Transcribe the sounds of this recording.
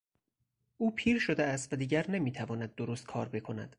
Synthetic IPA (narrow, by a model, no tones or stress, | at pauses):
uːpʰiːɾʃod̪eæst̪væd̪iːɟæɾnemiːt̪ʰævɒːnæd̪̚ːoɾost̪̚kʰɒ̰ːɾbe̞kʰo̞næ̰d̪̥